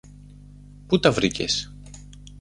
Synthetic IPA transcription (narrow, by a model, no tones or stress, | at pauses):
put̪ɐvɾicḛs